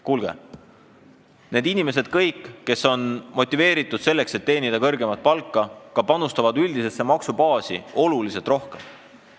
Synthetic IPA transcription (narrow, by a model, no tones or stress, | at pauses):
kuːlɡ̥e̞̰ | ne̞ːd̪inime̞se̞d̪̥kɤ̞jkːe̞so̞nmo̞t̪ʲːˑive̞ːɾit̪ːˑud̪̥se̞lːe̞kse̞t̪ːe̞ːnid̪̥ɑkɤ̞rɡe̞mɑt̪̚pɑlkːɑkɑpɑnust̪ɑvɑd̪yld̪ise̞sːe̞mɑksubɑːsḭo̞lulise̞t̪ro̞hkem